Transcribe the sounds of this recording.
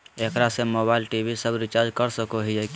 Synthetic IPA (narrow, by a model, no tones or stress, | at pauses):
eːkɾasemobaːɪlʈibʱisəbɾɪt͡ʃaːɾd͡ʒkəɾsəkoɦiek